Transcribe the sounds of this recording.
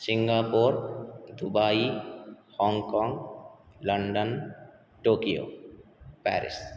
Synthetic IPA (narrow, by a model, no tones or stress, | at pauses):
siŋɡapoɾd̪ubaihɔŋkɔŋ | ləɳɖən | ʈokio̰ | pɛ̰ɾḭs